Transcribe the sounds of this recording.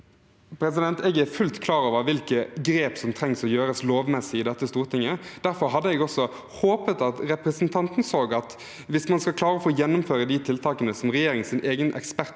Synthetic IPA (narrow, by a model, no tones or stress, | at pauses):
pʰɾɛs̬ɪd̪ɛnt̪ɛɡɛɾfʉlt̪kʰlɑːɾɑːʋəʋɪlkəɡɾeːpsɔmt̪ʰɾɛŋsɔjøːɾəsloːʋmɛsːɪɪd̪ɛt̪ːəst̪uːʁt̪ʰɪŋːəd̪̥æɾfɔɾɦɑd̪ːəɛɡɔsɔ | hoːpət̪ɑt̪ɾɛpɾəsnt̪ʰɑnt̪nsoːɡɑt̪ | ʋɪsmɑnskɑkʰlɑːɾəɔfoːjɛnːʊmføːɾəd̪it̪ʰɪlt̪ʰɑːkənəsɔmɾɛjeːɾɪŋsɪnʔeːɡənʔɛ̰kspæɾt̪